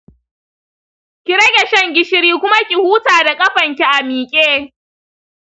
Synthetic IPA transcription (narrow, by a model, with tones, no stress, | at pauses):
kʲi˨ɾɐ˦ɡʲɛ˨ʃɛ˦ŋɡʲɪ˦ʃɪ˦ɾiː˦kʷʊ˦ma˦kʲi˨huː˦taː˨da˨kʼɐ˦ɸɐ˨ŋkʲi˦ʔa˨miː˨kʲʼeː˦